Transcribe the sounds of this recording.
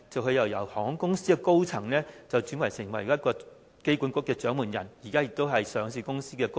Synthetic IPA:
t͡sɐ˨wɦɵ˧jɐ˨˩wjɐ˨˩whɔː˨˥ŋkʊ˥ŋsiː˥kɛ˧ko˥wt͡sʰɐ˨˩ŋlɛː˥t͡sɐ˨wt͡ʃy˨˥nwɐ˨˩jsɪ˨˩ŋwɐ˨˩jjɐ˥t̚kɔː˧ | ke˥jku˨˥nkʷʊ˥kːɛː˧t͡ʃœː˨˥ŋmuː˨˩njɐ̰˨˩njiː˨˩kaː˥ɪ˨˧k̚t̪o˥wɦɐ˨jsœː˨˧ŋsiː˧kʊ˥ŋsiː˥kɛː˧ko˥

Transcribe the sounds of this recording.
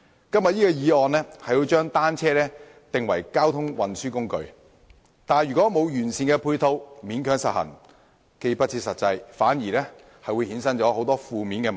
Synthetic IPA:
kɐ˥mjɐ˨t̚jiː˥kɔː˧jiː˨˧ɔː˨nlɛː˥hɐ˨jwuː˨˧jt͡ʃœː˥ŋt̪aː˥nt͡sʰɛː˥lɛː˥ | t̪ɪ˨ŋwɐ̰˨˩jkaː˥wt̪ʰʊ˥ŋwɐ˨nsyː˥kʊ˥ŋkɵ̰˨˧ɥ | t̪aː˨nɥyː˨˩kʷɔː˨˥mo˨˧wjyː˨˩nsiː˨˧nkɛ˧pʰuː˧jt̪ʰo˥wmiː˨˥nkʰœː˨˧˥ŋsɐ˨t̚hɐ̰˨˩n | ke˧jpɐ˥t̚t͡sʰiː˧t̚sɐ˨t̚t͡sɐ˧jfaː˨˥njiː˨˩lɛː˥ | hɐ˨jwuː˨˧jhiː˨˥nsɐ˥nt͡ʃɔː˨˥ho˨˥wt̪ɔː˥fuː˨miː˨˥nkɛː˧m˨

